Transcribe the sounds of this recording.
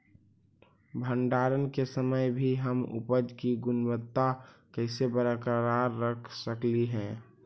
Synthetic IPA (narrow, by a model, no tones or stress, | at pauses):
bʱəɳɖaːɾənkesəməjbʱiɦəmʊ̰pəd͡ʒkiɡʊnbət̪ːakəɪsebəɾəkɾaɾːəkʰsəkliɦɛ̃ː